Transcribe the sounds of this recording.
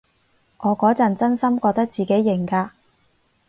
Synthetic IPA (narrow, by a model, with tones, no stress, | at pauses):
ŋʔɔː˨˧kɔː˨˥t͡sɐ˨˩nt͡sɐ˥nsɐ˥mkʷɔː˧k̚t̪ɐ˥k̚t͡siː˨ke˨˥jːɪ˨˩ŋkaː˧